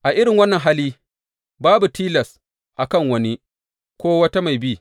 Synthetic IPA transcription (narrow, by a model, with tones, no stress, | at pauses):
ʔa˨ʔɪ˦ɽɪ˨ŋwɐ˦nːɐ˨ŋɦa˦liː˦ | baː˦bu˨tiː˦lɐ˨s | ʔa˨kɐ˦˨ŋwɐ˦ni˦ | kʷoː˦wɐ˦ta˦ma˨jbiː˦˨